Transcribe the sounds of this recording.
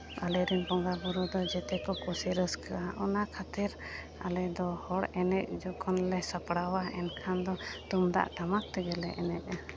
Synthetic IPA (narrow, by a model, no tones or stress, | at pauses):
a̰lɛɾimpɔŋɡabɔɾɔd̪ɔd͡ʒɛt̪ɛkɔkusiɾəskaaʔɔnakʰat̪iɾ | a̰lɛd̪ɔhɔɽɛnɛc̚d͡ʒɔkʰɔnlɛsapɽawaɛnkʰand̪ɔt̪umd̪a̰ʔʈamak̚t̪ɛɡɛlɛʔɛnɛc̚a